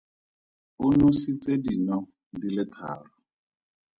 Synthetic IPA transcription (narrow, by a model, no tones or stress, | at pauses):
ʊnʊsit͡sʼedinɔ | dilɪtʰa̰ːrɔ